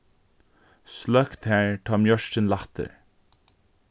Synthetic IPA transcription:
slœkt̪hæːɹt̪ʰɑːmjœʃtənlat̪ə̰ɹ

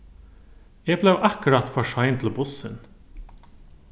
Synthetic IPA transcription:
eːɡ̚blɛʋʔɑkəɾɑt̪fɔʂɑɪnt̪ʰl̩bʊsən

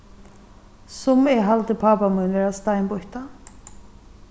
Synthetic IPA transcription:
sʊmɛɦalt̪ɪpʰaːpamujnvɛːɹast̪ajnbʊht̪a

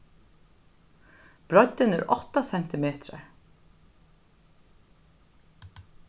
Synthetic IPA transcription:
b̥ɹɔd̪ɪnɛ̰ɾʔɔht̪asɛn̥t̪ɪmeːt̪ɾa̰ɹ

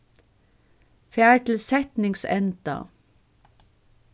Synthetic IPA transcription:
fæːɹʈ̪ʰɪl̩sɛt̪nɪŋsɛ̰nt̪a̰

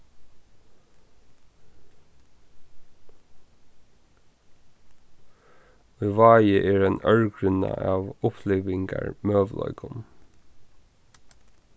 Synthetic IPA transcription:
œʋɑːjəʔeːɹeːnœɹɡɹʏnəʔɑːʋʊpʰleːʋɪŋɡɑɹmøːʋlɔ̰ʏkʊn

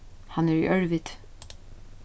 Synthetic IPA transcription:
hanæɹḭʔœɹʋɪt̪

